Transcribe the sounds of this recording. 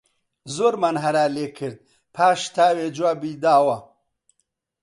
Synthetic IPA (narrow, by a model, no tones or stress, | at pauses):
zoɾmanɦɐɾaːlekʰɨɾd̪̚ | pʰaːʃt̪ʰaːwed͡ʒwaːbid̪aːwɐ